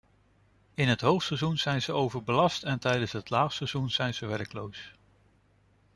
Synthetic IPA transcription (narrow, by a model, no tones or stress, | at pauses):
ɪnɦətɦowftsɛzunz̥ɛjnzəowvəɹbəlɑstɛntɛjdənsɦətlaːχsɛz̥unz̥ɛjnz̥əʋɛrklows